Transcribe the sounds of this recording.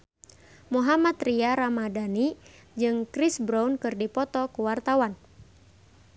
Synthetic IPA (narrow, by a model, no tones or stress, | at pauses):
muɦamat̪riaɾamadanid͡ʒɨŋkɾisbɾaunkɨrdipɔt̪ɔkuwart̪awan